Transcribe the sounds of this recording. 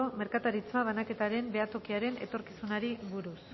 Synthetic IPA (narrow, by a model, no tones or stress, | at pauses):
ome̞ɾkat̪aɾit͡smaβ̞anake̞t̪aɾe̞mbeat̪o̞kiaɾe̞ne̞t̪o̞ɾkisunaɾiβuɾus